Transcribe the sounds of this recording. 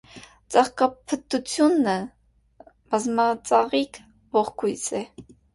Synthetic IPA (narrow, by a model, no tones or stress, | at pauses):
t͡sɑχkɑpʰət̪ut͡sʰjunːə | b̥ɑzmɑt͡sɑʁik | vɔχkʰujt͡sʰɛ